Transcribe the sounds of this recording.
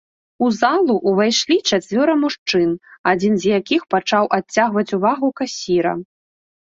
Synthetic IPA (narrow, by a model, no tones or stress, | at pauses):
uzalˠuʔːvajʂlʲit͡ʂat͡sʲvʲɔɾɐmuʂt͡ʂɨnad͡zʲinzjakʲixpat͡ʂawʔat͡sʲːaɣvɐt͡sʲuvaɣukasʲiɾɐ̰